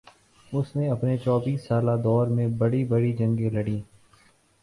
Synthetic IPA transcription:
ʊsnẽɐpnet͡ʃɔːbiːsːaːlad̪ɔːɾmẽbəɽibəɽid͡ʒə̃ŋɡẽləɽĩː

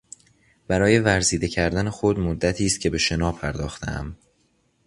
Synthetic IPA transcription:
b̥æɾɒːje̞væɾziːd̪e̞cʰæɾd̪ænexod̪mod̪ːæt̪ʰiːst̪̚cʰe̞be̞ʃe̞nɒːpʰæɾd̪ɒːxt̪ʰḛæ̰m

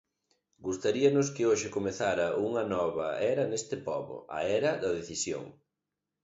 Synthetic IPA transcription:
ɡust̪aɾiɐnʊskɪoʃɪkomeθaɾɐʔuŋɐnɔβɐɛɾɐnest̪ɪpɔβʊ̰ɐ̰ɛɾɐðɐðeθisjo̰ŋ

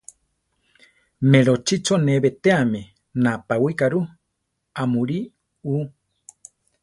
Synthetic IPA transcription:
meɾot͡ʃit͡ʃoneβet̪eame | napawikaɾu | amũɾi | u

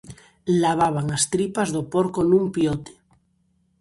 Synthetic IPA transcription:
laβ̞aβ̞aŋast̪ɾipazðopoɾkonumpjot̪e̥

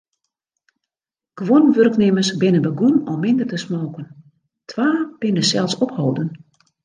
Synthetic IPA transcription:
ɡ̥ʋonʋørknɪmərsbɪnənbəɡunɔmːɪndərtəsmoːkən | tʰʋaːb̥ɪnəsɛlˠsɔphowdən

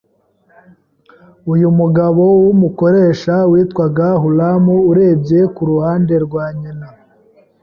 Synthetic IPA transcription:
ujumuɡaβo̞wumuko̞ɾe̞ːʃawiːtkwaɡaɦulamuːɾe̞ːbje̞kuɾuhaːnde̞ɾɡwaːɲina

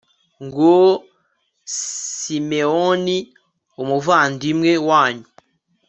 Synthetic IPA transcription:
ŋɡo | imeoni | omuvandimŋewaːɲu

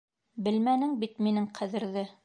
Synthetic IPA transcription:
bɘ̆lmænɘŋbit̪minɘŋqʰæðɘ̆ɾðɘ

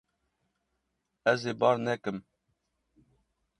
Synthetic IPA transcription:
ɛzeːbɑːɾnɛkɨm

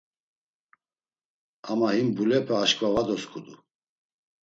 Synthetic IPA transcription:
amahimbulɛpʰɛːʃkʼvavad̪ɔskʰʼud̪u

